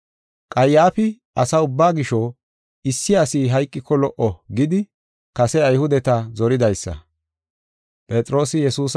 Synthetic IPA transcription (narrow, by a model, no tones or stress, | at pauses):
kʼɐjːaːfɪ | ɐsɐʊbːaːɡɪʃɔ | ɪsːɪɐsiːɦɐjkʼːɪkʰːɔlɔʔɔɡɪd̪ɪ | kɐsɛɐjhʊd̪ɛt̪ɐzɔɾɪd̪ɐjsːɐ̰ | pʼɛt̪ʼɾo̞ːsɪjɛsuːs